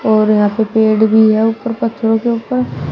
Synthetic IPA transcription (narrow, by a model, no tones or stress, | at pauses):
ɔːɾjɐɦãpepeːɖbʱiɦɛʊpəɾpət̪ʰːɾõkeʊpəɾ